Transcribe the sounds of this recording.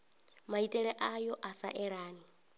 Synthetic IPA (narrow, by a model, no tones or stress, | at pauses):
maitʼɛɺɛʔajɔʔasa̰ʔɛɺaːni